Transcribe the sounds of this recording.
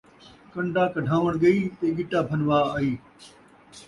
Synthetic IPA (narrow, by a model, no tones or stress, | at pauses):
kɐɳɖaːkɐɖʱãːʋəɽ̃ɡɐiːt̪eːɡɪʈaːbʱɐnʋaːaːiː